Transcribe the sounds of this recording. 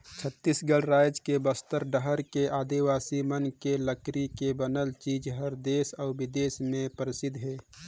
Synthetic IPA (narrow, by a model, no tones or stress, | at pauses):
t͡ʃʰət̪ːisɡəɽɾaːjd͡ʒkebəst̪əɾɖəɦəɾkeaːd̪iʋaːsimənkeləkɾikebənəlt͡ʃiːd͡ʒɦəɾd̪eːsɔːʋɪd̪eːsmẽpəɾɪsɪd̪ʱɦɛː